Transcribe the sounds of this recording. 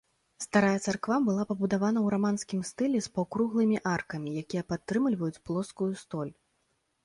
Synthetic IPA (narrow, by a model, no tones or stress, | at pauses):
st̪aɾajɛt̪sarkvabɨlˠapɐbud̪avan̪ɐwɾamanskʲimst̪ɨlʲɛspawkɾuɣlˠɨmʲiʔarkɐmʲijakʲijɛpat̪ːɾɨmlʲvɐjut͡sʲplˠɔskujust̪ɔlʲ